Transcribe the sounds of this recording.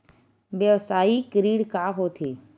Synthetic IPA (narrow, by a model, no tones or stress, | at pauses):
beʋsaːiːkəɾiːɽkaːɦoːt̪ʰeː